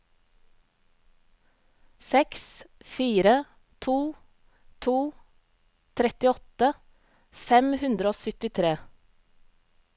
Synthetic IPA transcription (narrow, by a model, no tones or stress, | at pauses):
sɛksfiːɾə | t̪ʰuː | t̪ʰuː | t̪ʰɾɛt̪ɪɔt̪ə | fɛmhʉnd̪ɾəoːsʏt̪ɪt̪ʰɾeː